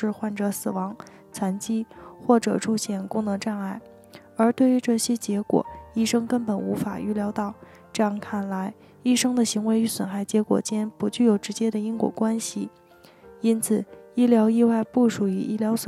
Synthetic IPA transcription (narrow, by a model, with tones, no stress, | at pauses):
ɻ̩˥˧xwa˥˩nʈ͡ʂɤ˧˩˥sɹ̩˨˩wɑ˧˥ŋ | t͡sʰwa˧˥nt͡ɕi˥xwɔ˥˩ʈ͡ʂɤ˨˩ʈ͡ʂʰu˥ɕjɛ˥˩nkʊ˥ŋnɤ˧˥ŋʈ͡ʂa˥˧na˥˩ɪ | ə˞˧˥t̪we˥˩ɪy˧˥ʈ͡ʂɤ˥˩ɕjɛ˥t͡ɕjɛ˧˥kwɔ̰˨˩˦i˥˩ʂɤ˥ŋkə˥npə˨˩nu˧˥fa˨˩y̰˧˥ljɑ˧˥ʊt̪ɑ˥˩ʊ | ʈ͡ʂɤ˥˧jɑ˥˩ŋkʰa˥˩nla˧˥ɪ | i˥˩ʂɤ˥ŋd̪ə˨ɕi˧˥ŋwe˧˥ɪy˧˥˩swə˨˩nxa˥˩ɪt͡ɕjɛ˧˥kwɔ̰˨˩t͡ɕjɛ˥npu˧˥t͡ɕy˥˩jo˨˩ʊʈ͡ʂɻ̩˧˥t͡ɕjɛ˥d̪ə˨i˥nkwɔ̰˨˩kwa˥nɕi˨˩ | i˥nt͡sʰɹ̩˨˩i˥ljɑ˧˥ʊi˥˧wa˥˧ɪpu˥˩ʂu˨˩y˧˥ʔi˥ljɑ˧˥ʊsw